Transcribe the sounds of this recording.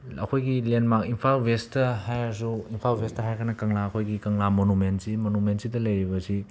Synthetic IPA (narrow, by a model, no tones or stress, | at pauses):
ɐ̰kʰojɡilenmakinpʰalbʱestɐɦajasuinpʰalbʱestɐɦajkʰɐɾnɐkɐŋlaɐkʰojɡikɐŋlamonumensimonumensidɐlɐjɾibɐsi